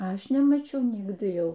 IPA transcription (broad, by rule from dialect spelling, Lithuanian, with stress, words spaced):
ˈɐʃ nʲɛmɐˈt͡ʃʲɛʊ ˈnʲɪɡdɨ ˈjɛʊ